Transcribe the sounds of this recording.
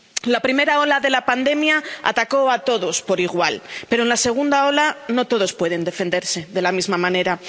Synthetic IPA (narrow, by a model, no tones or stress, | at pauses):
lapɾime̞ɾaolaðe̞lapand̪e̞mjaa̰t̪ako̞at̪o̞ðo̞spo̞ɾiɣ̞walpe̞ɾoenlase̞ɣ̞und̪ao̞lano̞t̪o̞ð̞o̞spwe̞ðe̞nd̪e̞fe̞nd̪e̞ɾse̞ðe̞lamizmamãne̞ɾa